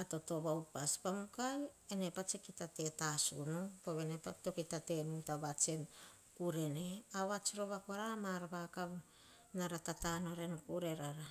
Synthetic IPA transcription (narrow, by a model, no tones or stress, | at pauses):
ato̞to̞βawpaspamukajene̞pat͡ʃekitate̞tasunupoβenepato̞kitate̞nutaβat͡ʃen | kuɾe̞neaβat͡ʃiɾo̞βakoɾamaɾabakaβ | naɾatatano̞ɾe̞nkuɾe̞ɾaɾa